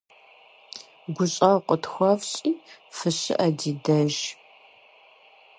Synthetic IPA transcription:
ɡʷʊɕʼɐqʷʼətxʷɐvɕʼiːfɨɕɪ̰ʔɐdiːdɐʒ

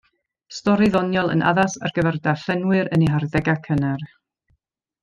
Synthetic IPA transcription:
stɔɾiðɔnjɔlˠə̰nʔa̰ðasa̰rɡ̥əvɛrdaɬɛnwɨɾəniɦarðɛɡakʰənɛr

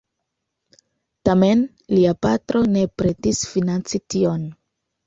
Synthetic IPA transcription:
tame̞n | liapatɾo̞ne̞pɾe̞tisfinant͡sitio̞n

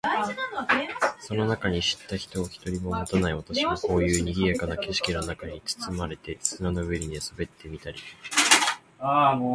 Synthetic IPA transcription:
so̞no̞nakaɲ̟iɕi̥t̪ːaçi̥t̪o̞ːçi̥t̪o̞ɾʲimo̞mot̪anaiβat̪aɕiβako̞ːjɯ̟ːɲ̟iɡʲijakanake̞ɕi̥kʲino̞nakaɲ̟it͡sɨ̥t͡sɨmaɾe̞t̪e̞sɨnanoɯβeɾʲiɲesɨbe̞t̪ːe̞mʲit̪aɾʲḭ | a

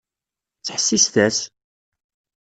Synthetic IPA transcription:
t͡sːħə̥sːisθæs

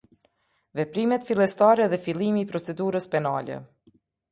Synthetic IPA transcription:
vɛpɾimɛt̪filˠɛst̪aɾɛðɛfilˠimiːpɾɔt͡sɛd̪uɾəspɛna̰lɛ̰

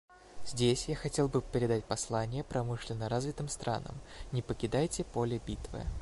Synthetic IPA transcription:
z̥ʲdʲesʲjaxɐtʲe̞lˠbɨpʲɪɾʲɪd̪at̚ʲpɐslˠanʲɪjəpɾɐmɨʂlʲɪnːəɾazvʲɪt̪ɨmst̪ɾʔa̰nə̰mnʲɪpəkʲɪd̪ajtʲɪpo̞lʲɪbʲit̪vɨ̰

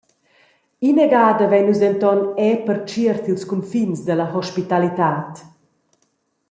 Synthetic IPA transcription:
inɛɡaːd̪əvɛɲnːuzɛnt̪ɔnɛpəɾt͡ʃiəɾt̪ilskumfinsd̪əlɐɦɔʃpit̪alit̪aːt̪

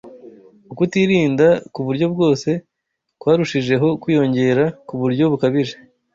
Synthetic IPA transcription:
ukutiːɾiːndakuβuɾɟo̞b̚ɡo̞ːse̞ | kwaːɾuʃiʒe̞ɦo̞kwiːjo̞ɲɟe̞ɾakuβuɾɟo̞βukaβiʒe

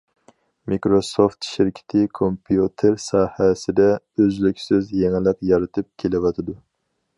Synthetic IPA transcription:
mikɾosoft̪ʃɪɾkʲʰɪ̥t̪ʰɪkʰompʰijut̪ʰeɾsɑːhɛsɪd̪ɛ | øzlykʲsɪzjeŋɪlˠəqjɑɾɨt̪ʰɨp̚kʲʰelɪwɑt̪ʰɨd̪u

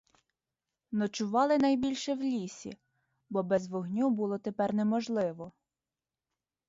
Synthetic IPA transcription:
nɔt͡ʃʊʋɑlˠɪnɐjbʲilʲʃɛwlʲisʲḭ | bɔbɛzʋɔɦnʲubulˠɔt̪epɛrnɛmɔʒlˠɪʋɔ

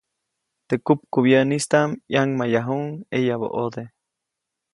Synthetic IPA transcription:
t̪ekup̚kuβjenist̪amjaŋmajaɦuŋejaβo̰ʔod̪e

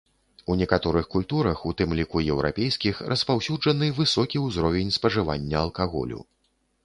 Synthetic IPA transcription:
unʲɛkat̪ɔɾɨxkulʲt̪uɾɐxut̪ɨmlʲikujɛwɾa̰pʲejskʲixrʔɐspawsʲud͡ʐɐnɨvɨsɔkʲiuzɾɔvʲenʲspɐʐɨva̰nʲːɐɐlˠkaɣɔ̰lʲṵ

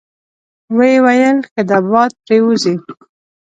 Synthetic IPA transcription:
wejwajəlkad̪abɑd̪̚pɾeuzi

